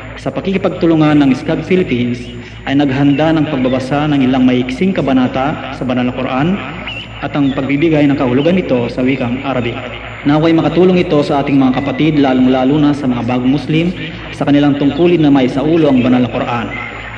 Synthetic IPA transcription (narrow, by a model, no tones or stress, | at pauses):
sɐpɐɡkikɪpɐɡ̚t̪ʊlʊŋanːɐŋɪskaɡ̪̚filɪpins | ʔɐjnɐɡɦɐnd̪anɐŋpɐɡ̚bɐbɐsanɐŋɪlaŋmɐʔɪksɪŋkɐbɐnaːt̪asɐbɐnalnɐkoɾʔan | ʔɐt̪ɐŋpɐɡ̚bibɪɡajnɐŋkɐhʊlʊɡanɪt̪o̞sɐwiːkɐŋʔaɾɐbi | nawɐjmɐkɐt̪uːloŋɪt̪o̞sɐʔaːt̪ɪŋmɐŋakɐpɐt̪id̪laːlʊŋlaːlunɐsɐmɐŋabaːɡʊŋmʊslim | sɐkɐnɪlaŋt̪ʊŋkuːlɪnːɐmɐjsɐʔuːlo̞ʔɐŋbɐnalnɐkoɾʔan